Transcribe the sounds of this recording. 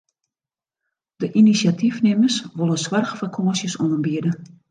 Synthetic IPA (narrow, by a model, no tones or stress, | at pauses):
d̥əʔinisjatʰifnɪməsʋolˠəsʋarxfərkʰosjəsɔnəmbiədə